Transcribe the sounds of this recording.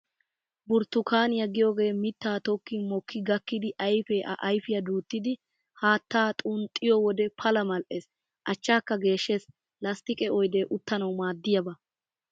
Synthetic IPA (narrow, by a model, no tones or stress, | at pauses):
bʊɾt̪ːʊkaːnɪjɐɡɪjoːɡe̞ːmɪt̪ːaːt̪ɔkːimɔkːɪɡɐkːɪd̪ɪʔɐjfeːʔɐ̰ʔɐjfɪjɐd̪uːt̪ːɪd̪ɪ | haːt̪ːaːt̪ʼunt̪ʼːɪjɔwɔd̪ɛpʰɐlɐmɐlʔes | ʔɐt͡ʃːaːkːɐɡe̞ːʃːeːs | lɐst̪ɪkʼɛɔjd̪eːʔʊt̪ːɐnɐwmaːd̪ːɪjɐbɐ